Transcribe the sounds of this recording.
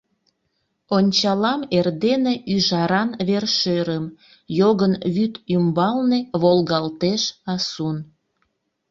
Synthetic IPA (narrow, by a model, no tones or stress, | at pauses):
onʲt͡ɕɑlɑmerd̪eneʔyʒɑɾɑnβerʃeɾəm | joɣənβyt̪ymbɑlneβolɣɑlt̪eʃɑsun